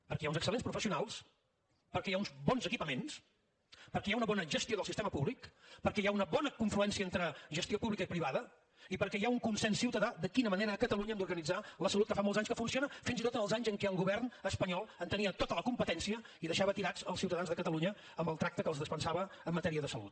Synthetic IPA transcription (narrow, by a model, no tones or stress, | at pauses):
pəɾkɛjaunzəksəlenspɾufəsiunalˠs | pəɾkɛjaunzbɔnzəkipəmens | pəɾkɛjaunəβɔnəʒəst̪ioðəlˠsist̪eməpuβlikpəɾkɛjaunəβɔnəkuɱfluɛnsiəent̪ɾəʒəst̪iopuβlikəipɾiβaðə | ipəɾkɛjauŋkunsɛnsːiwt̪əðaðəkinəməneɾəːkət̪əluɲəɛmnd̪uɾɣənid͡zaləsəlut̪kəfamɔlˠzaɲskəfunsionəfinzit̪ot̪ənəlˠzaɲzəŋkɛəlˠɣuβ̞ɛrnəspəɲɔlˠənt̪əniət̪ot̪ələkumpət̪ɛnsiə | iðəʃaβət̪iɾad͡zəlˠsiuwt̪əðanzðəkət̪əluɲə | əmbəlˠt̪ɾak̚t̪əkəlzðəspənsaβəːmːət̪ɛɾiəðəsəlṵt̪̚